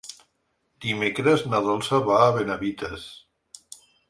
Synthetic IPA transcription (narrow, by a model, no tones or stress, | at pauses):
d̪̥imekɾeznaðɔlsaβaːβenaβit̪es